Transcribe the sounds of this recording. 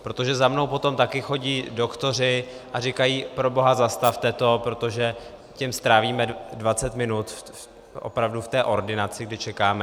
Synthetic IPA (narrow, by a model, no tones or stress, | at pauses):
pɾo̞t̪o̞ʒɛzamno̞wpo̞t̪o̞mt̪akɪxo̞ɟiːdo̞kt̪o̞r̝ɪ | ʔar̝ɪkajiːpɾo̞bo̞ɦazast̪aft̪ɛt̪o̞pɾo̞t̪o̞ʒɛ | cɛmst̪ɾaːviːmɛdvat͡sɛt̪mɪnut̪ | ʔo̞̰pɾavduft̪ɛːʔo̞ɾdɪnat͡sɪɡdɪt͡ʃɛkaːmɛ